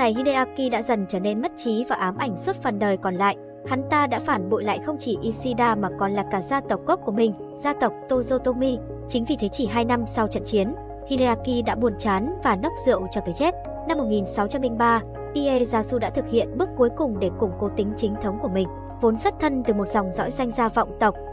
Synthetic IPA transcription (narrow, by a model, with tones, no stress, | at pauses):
na˨˩jhi˧ɗe˧ʔaː˧ki˧ɗa̰ː˧˥zə˨˩nt͡ɕəː˧˩ne˧nmə˦˥t̚t͡ɕi˨˦vaː˨˩ʔaː˨˦mʔa˧˩jŋ̟swə˦˥t̚fə˨˩nɗəː˨˩jkɔ˨˩nla̰ː˧˨j | ha˨˦nt̪aː˧ɗa̰ː˧˥faː˧˩nɓo̰˧˨jla̰ː˧˨jxə˧wŋ͡mt͡ɕi˧˩ʔi˧si˧ɗaː˧maː˨˩kɔ˨˩nlaː˨˩kaː˧˩zaː˧t̪ə˨˩wk͡p̚ko˦˥p̚ku˧˩mï˨˩ŋ̟ | zaː˧t̪ə˨˩wk͡p̚t̪o˧zə˧t̪o˧mi˧ | t͡ɕï˨˦ŋ̟vi˨˩t̪ʰe˨˦t͡ɕi˧˩ɦaː˧jna˧msa˧wt͡ɕə̰˧˨nt͡ɕi˨˦ən | hi˧le˧laː˧ki˧ɗa̰ː˧˥ɓu˨˩ənt͡ɕaː˨˦nvaː˨˩nɔ˦˥k͡p̚zɨ̰˧˨əwt͡ɕɔ˧t̪əː˨˦jt͡ɕe˦˥t̚ | na˧mːo˨˩t̚ŋi˨˩nsa˨˦wt͡ɕa˧mli˧ŋɓaː˧ | ʔi˧ʔe˧zaː˨˧˦su˧ɗa̰ː˧˥t̪ʰɨ˨˩k̚hḭ˧˨ənɓɨ˦˥ək̚kːu˨˦əjkʊ˨˩ŋ͡mɗe˧˩kʊ˨˩ŋ͡mko˨˦t̪ï˨˦ŋ̟t͡ɕï˨˦ŋt̪ʰə˨˦wŋ͡mku˧˩əmï˨˩ŋ̟ | vo˨˦nswə˦˥t̚t̪ʰə˧nt̪ɨ˨˩mo˨˩t̚zwŋ͡mzɔ̰˧˥jza˧jŋ̟zaː˧vɔ̰˧˨wŋ͡mt̪ə˨˩wk͡p̚